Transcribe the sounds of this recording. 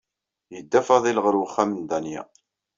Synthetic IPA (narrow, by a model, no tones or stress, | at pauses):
jəd̪ːæfɑðˤilʁəɾwəχːæmənd̪ænjæ̰